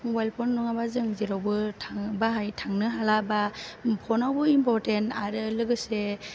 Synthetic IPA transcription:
bajlpʰɔnːɔŋabazɯŋziɾawbɯtʰaŋbaɦajtʰaŋnɯɦalabapʰɔnawbɯimpɔɾtentaɾɯlɯɡɯse

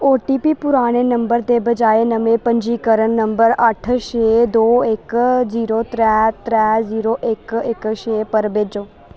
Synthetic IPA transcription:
oʈipipuɾaːɽ̃enəmbəɾt̪ebəd͡ʒaenəmepəɲd͡ʒiːkəɾəɳːəmbəɾəʈʰʃed̪oekd͡ʒiːɾot̪ɾɛt̪ɾɛd͡ʒiːɾoʔeːkekʃeːpəɾbed͡ʒo

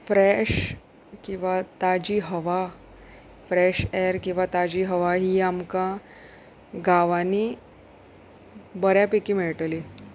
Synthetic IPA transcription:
fɾɛɕ | kĩw̃ʋat̪ad͡ʑiːɦəʋa | fɾɛɕɛɾkĩw̃ʋat̪ad͡ʑiːɦəʋaɦiːamka | ɡaʋani | bəɾjapekiːmeɭʈli

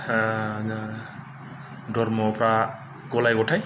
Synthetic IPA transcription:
na | dɔɾmɔpɾa | ɡɔlajɡɔtʰaj

